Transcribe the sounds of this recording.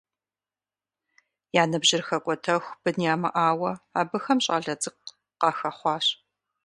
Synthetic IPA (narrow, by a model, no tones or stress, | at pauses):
jaːnɐbʑɪrxɐkʷʼɔtʰɐxʷb̥ɨnjaːmɐ̰ʔaːwɐaːbɨxɐmɕʼa̰ːɮɐd͡zɨk̚ | qɑːxɐχʷɑːɕ